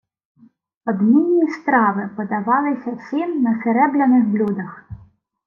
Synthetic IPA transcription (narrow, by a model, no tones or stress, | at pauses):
ɔd̪mʲinʲːist̪ɾɑʋɪpɔd̪ɐʋɑlˠɪsʲɐsɪnnɐsɛɾɛblʲɐnɪxblʲud̪ɐx